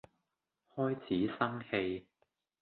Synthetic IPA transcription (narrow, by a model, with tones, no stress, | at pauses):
hɔː˥jt͡sʰiː˨˥sɐ˥ŋhe˧j